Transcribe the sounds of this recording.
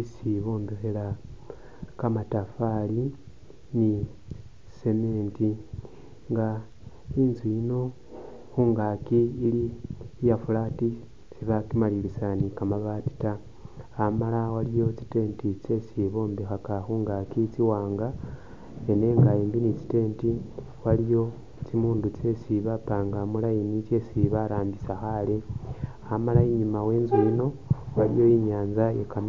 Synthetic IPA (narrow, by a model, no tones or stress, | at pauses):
isiβo̞ːmbexela | kamatafali | ni | se̞meːnti | ŋɡa | iːnzwiino̞ | xuːŋɡakiːlijafulati | siβakimalilisanikamaβati̥taː | malawalijo̞t͡si̥te̞ːntit͡se̞siβo̞ːmbexakaxuŋɡakit͡siwaːŋɡa | ene̞ːŋɡaeːmbinit͡si̥te̞ːnti | walijo̞ | t͡simuːndut͡se̞siβapaːŋɡamulajinit͡ʃe̞siβaɾaːmbisaxale | amalaiɲimawe̞ːnzuino̞walijo̞iɲaːnzajekan